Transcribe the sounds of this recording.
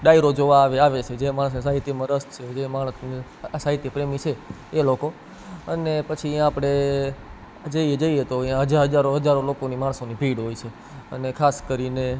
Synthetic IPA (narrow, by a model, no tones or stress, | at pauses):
ɖaiɾod͡ʒoʋaʋeaʋet͡ʃʰed͡ʒemaɭ̃əs̬nisaɦit̪jəmãɾəst̪t͡ʃʰed͡ʒemaɭ̃əsni | saɦit̪jepɾemit͡ʃʰeːloko | ənepət͡ʃʰiãapəɽ̃e | d͡ʒəied͡ʒəiet̪oijãɦəd͡ʒaɾɦəd͡ʒaɾoɦəd͡ʒaɾolokonimaɳsonibʱiɽɦoit͡ʃʰe | ə̰nekʰaskəɾine